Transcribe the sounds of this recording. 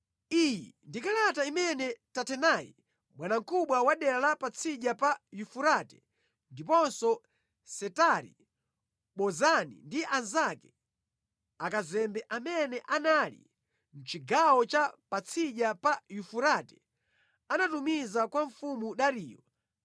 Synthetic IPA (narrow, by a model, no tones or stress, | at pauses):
ijḭndikalataimɛnɛtatʰɛnaːjḭ | mwanaŋ̩kuɓwawaɗɛalapat͡sʰiʄapajufuɾatɛ̥ | ndipɔnsɔ | sɛtaɾḭ | ɓɔzanḭndiʔanzakɛ̥ | akazɛmbɛʔamɛnɛʔanalḭ | n̩t͡ʃiɡawɔt͡ʃapat͡sʰiʄapajufuɾatɛ̥ | anatumizakwaɱfumuɗaɾiːjɔ